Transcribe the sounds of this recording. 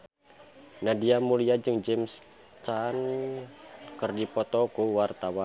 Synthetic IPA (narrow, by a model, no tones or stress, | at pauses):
nadiamuliad͡ʒɨŋd͡ʒɛms | t͡ʃan | kərdipɔt̪ɔkuwart̪awa